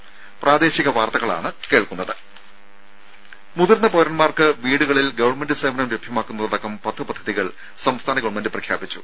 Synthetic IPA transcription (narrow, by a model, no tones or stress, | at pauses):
prʔaːd̪e̞ːɕiɣɐʋaːrt̪ɐɣɐɭa̰ːɳɨke̞ːɭkunːɐðɨ | muðurnɐpoɾɐnmaːrkɨʋiːɽuɣɐɭilɡɐʋɐrmendɨseːmɐnɐmɾebʱjɐmaːkːunːɐðɐðɐkːɐmpɐt̪ʰːɨpɐd̪ʱːɐðiɣɐɭ | sɐmst̪ʰaːnɐɡɐʋɐɳmendɨprɐkʰjaːbit͡ɕːu̥̰